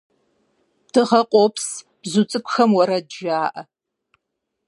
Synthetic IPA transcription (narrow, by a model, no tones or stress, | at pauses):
tʰɨʁɐqʷʼopʰs | b̥zut͡sʼɨkʷʼʊxɐmwɔɾɐdʒaːʔɐ